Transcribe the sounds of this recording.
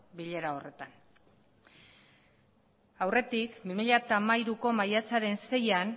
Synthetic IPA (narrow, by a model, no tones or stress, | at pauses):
biʎe̞ɾao̞re̞t̪an | awre̞t̪ikbimiʎat̪aːmajɾuko̞majat͡saɾe̞nse̞jan